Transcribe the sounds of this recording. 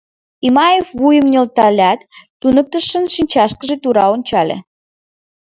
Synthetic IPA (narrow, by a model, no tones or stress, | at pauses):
imɑjefβujə̆mnʲɤlt̪ɑlʲæt̪ː | unək̚t̪ə̆ʃə̆nʃinʲt͡ɕɑʃkəʒet̪uɾɑonʲt͡ɕɑlʲḛ